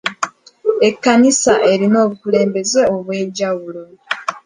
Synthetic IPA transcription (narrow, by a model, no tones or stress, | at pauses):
e̞kːanisaʔe̞ɾino̞ːβukule̞ːmbe̞zeoβwe̞ːɟaβulo̞